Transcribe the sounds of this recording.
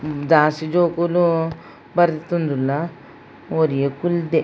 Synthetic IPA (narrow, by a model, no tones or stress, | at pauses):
d̪aːsid͡ʒoːkulu | bɐɾd̪it̪ũnd̪ulːa | oːɾijekuld̪e